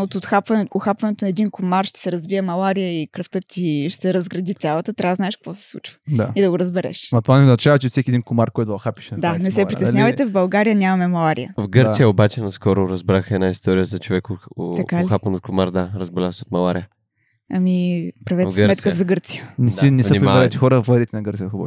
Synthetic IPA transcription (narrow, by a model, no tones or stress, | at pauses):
ot̪ot̪xapvɐnɛʊxapvɐnɛt̪ʊnɐɛd̪inkomarʃt̪ɛ̥sɛɾɐzviɛmɐlˠaɾijəikɾəft̪ɤt̪ʲiʃt̪ɛɾəzɡɾɐd̪it̪ʲalˠət̪ət̪ɾʲʔavəznaɛʃkɐ̥kvɔsɛ̥slˠṵt͡ʃvə̥d̪aid̪ɐɡoɾəzbɛɾɛ̰ʃmɐt̪ovanɛoznɐt͡ʃavɐt͡ʃɛfsɛkʲiɛd̪inkomaɾkɔjt̪d̪oxapi̥ʃnd̪anɛsɛpɾiɛsɲavəjt̪ɛvbɐlˠɡaɾijəɲʲamɐmɛmɐlˠaɾḭjəvɡɤɾt̪sijəobat͡ʃɛnɐskɔɾʊɾɐzbɾaxɛd̪naist̪ɔɾijəzɐt͡ʃovɛkot̪ɐkalixapənot̪̚komaɾd̪aɾɐzbɛlʲasɛot̪̚mɐlˠaɾijə | ɐmipɾɐvɛtvɛɡsmɛt̪skəzɐɡɤɾt̪sijənɛinɛsəimɾiaɛɾɛjt̪ɛxɔɾəvlˠɐd̪ɾit̪ɛnɐɡəɾt̪ijəxbɔ̰